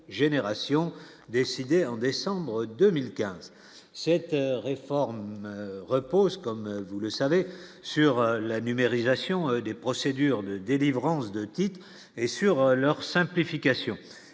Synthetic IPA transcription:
ʒeneʁasjɔ̃ | d̪esid̪eɑ̃d̪esɑ̃bʁəd̪ømilkʲɛ̃z | sɛt̪ʁefɔʁmʁəpozkɔmvuləsavesyʁlanymeʁizasjɔ̃d̪epχɔsed̪yʁd̪əd̪elivʁɑ̃sd̪ət̪it̪χ | esyʁlœʁsɛ̃plifikʲasjɔ̃

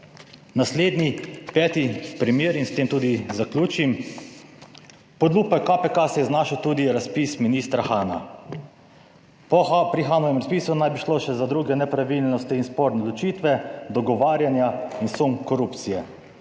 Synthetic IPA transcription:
nasleːd̪nipɛːt̪ipɾimjeːɾinst̪eːmt̪uːd̪izaklʲuːt͡ʃim | pɔd̪luːpakːapɛkasɛjɛznaːʃəwt̪uːd̪iɾaspisminiːst̪ɾaxaːna̰ | pɔpɾixaːnɔʋɛmɾaspiːsunajbiʃloʃɛzad̪ɾuːɡɛnɛpɾaʋilnɔst̪iinspoɾnɛd̪lɔt͡ʃit̪ʋɛd̪ɔɡɔʋaːɾjanjainsuŋkɔɾupt̪sijɛ

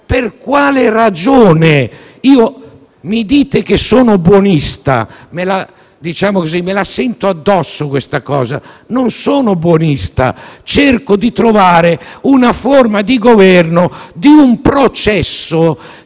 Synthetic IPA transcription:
perkwaːlerad͡ʒoːne | iːo | mid̪iːt̪ek̟esoːnobwonist̪a̰mela | d̪it͡ʃaːmokozimːelasɛnt̪oad̪ːɔsːokwest̪akɔ̰ːza̰ | nonsoːnobwonist̪a̰t͡ʃerkod̪it̪ɾovaːɾeunaformad̪iɡovɛrnod̪iumpɾot͡ʃɛsːo

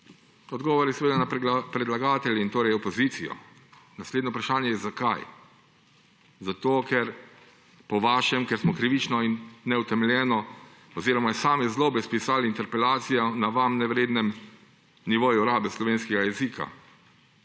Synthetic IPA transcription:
ɔd̪ɡɔːʋɔɾjɛsɛʋeːd̪anapɾɛd̪laɡaːt̪ɛljɛint̪oːɾɛjɔpɔzit̪sijɔ̰ | nasleːd̪nɔpɾaʃaːnjɛjɛzakaj | zat̪oːkɛɾ | pɔʋaːʃɛmkɛɾsmɔkɾiʋit͡ʃnɔinːɛut̪ɛmɛljɛːnɔ | ɔziɾɔmasaːmɛzloɔbɛspisaːlint̪ɛɾpɛlaːt̪sijɔnaʋamnɛʋɾeːd̪nɛm | niʋoːjuɔɾaːbɛslɔʋeːnskɛɡajɛziːkʰa̰

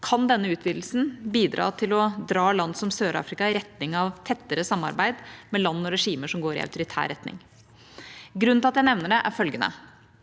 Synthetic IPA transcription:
kʰɑnd̪ɛnːəʉːt̪ʰʋiːd̪l̩sn̩biːd̪ɾɑ̰ːt̪ʰɪlɔd̪ɾɑːlɑnd̪sɔmsøːɾɑ̰ːfɾɪkɑɪɾɛt̪nɪŋɑʋt̪ʰɛt̪ːəɾəsɑmːɑ̰ɾbæɪd̪mɛlɑnːɔɾɛʂiːməʂɔmɡoːɾɪ̰ɑ̰ʉt̪ʊɾɪt̪ʰæ̰ːɾɛt̪nɪ̰ŋ | ɡɾʉnɪɑt̪jæɪnɛʋnəɖɛʔæɾfœlɡənə̰

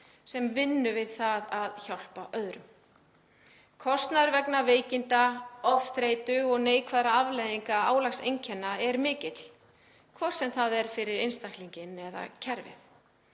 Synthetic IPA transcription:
sɛmvɪnːʏvɪðθaðaðçawl̥paʔœðɾʏm | kʰɔst̪naɾvɛknaveːjcɪnt̪aɔfθɾejt̪ʏɔɣneːjkʰvaðɾaavlejðiŋkaaːwlaxsejɲcʰɛnːaɛɾmɪːcɪt̪l̥ | kʰvɔr̥sɛmθaðɛɾ̥fɪɾɪɾejnst̪ahk̪liɲcɪnɛða̰cʰɛɾvɪ̰θ

